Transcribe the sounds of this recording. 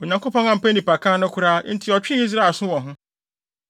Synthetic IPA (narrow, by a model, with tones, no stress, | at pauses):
o˨ɲã˨ŋko˦pʰɔ̃˦ŋã˨m̩˨pæ˦nĩ˨pa˨kʰã˦nʊ̃˦kʷʰʊ˦ɾa˦n̩˦tʰɪ˨ɔ˨t͡ɕᶣɪ˦i˦s̬ɾa˦˨sʊ̃˦wɔ̃˨ɦʊ̃˦